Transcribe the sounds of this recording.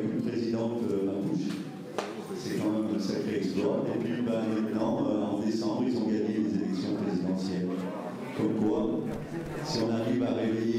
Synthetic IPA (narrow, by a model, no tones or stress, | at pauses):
kupχezid̪ɑ̃t̪ømat̪uʃ | sɛkɑ̃mɛmɛ̃sakχeɛksplɔepɥibãmɛ̃t̪nɑ̃øɑ̃d̪esɑ̃bʁilzɔ̃ɡaɲelezelɛksjɔ̃pχezid̪ɑ̃sjɛl | kɔmkwa | siɔ̃naʁivaʁeveje